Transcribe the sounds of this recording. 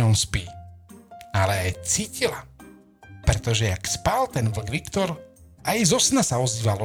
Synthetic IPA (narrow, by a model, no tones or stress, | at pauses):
ɔnspiː | alɛajt͡siːcila | pɾɛt̪ɔʒɛakspaːlt̪ɛnʋl̩ɡʋikt̪ɔɾ | ajzɔsnasaɔziːʋalɔ